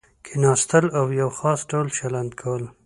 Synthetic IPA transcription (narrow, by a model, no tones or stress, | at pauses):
kʰenɑst̪əlawjawxɑsɖawlʃaland̪kʰawəl